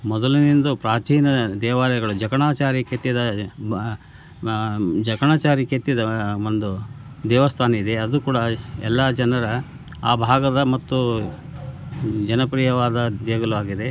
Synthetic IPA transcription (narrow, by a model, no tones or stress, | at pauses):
mɔd̪ɐlinind̪upɾaːt͡ʃiːnɐd̪ɛːʋaːlɛɡɐɭud͡ʒɐkɐɳaːt͡ʃaːɾiket̪ːjid̪ɐ | d͡ʒɐkɐɳaːt͡ʃaːɾiket̪ːjid̪ɐond̪ud̪ɛːʋɐst̪ʰaːnɐid̪e̞ɐd̪ukuːɽɐɛ̰lːad͡ʒɐnɐɾɐ | a̰ːbʱaːɡɐd̪ɐmɐt̪ːu | d͡ʒɐnɐpɾiːjɐʋaːd̪ɐd̪ɛːɡɐluʋaːɡid̪e̞